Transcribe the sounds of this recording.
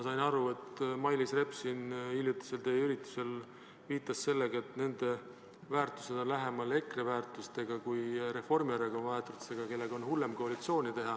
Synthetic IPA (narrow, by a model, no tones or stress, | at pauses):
mɑsɑjnɑɾue̞t̪mɑjlisre̞psinilʲjut̪ːi̥se̞lt̪eːjyɾit̪ːˑu̥se̞l | viːt̪ˑːɑsːe̞lːe̞ɡ̥ɑe̞t̪ne̞nd̪̥e̞ | væːrt̪ˑu̥se̞d̪̥o̞nlæɦe̞mɑle̞krevæːrt̪ˑust̪e̞ɡ̥ɑkujɾe̞fo̞rmiɑɾeɡ̥o̞nvɑet̪ːˑut̪seɡ̥ɑke̞lːeɡ̥o̞nhulːe̞mko̞ɑlit̪sio̞ːnʲit̪e̞ɦɑ